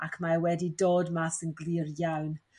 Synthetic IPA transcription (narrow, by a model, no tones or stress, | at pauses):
akʰmaɛwɛdidoːdmaθənɡlˠiːrjawn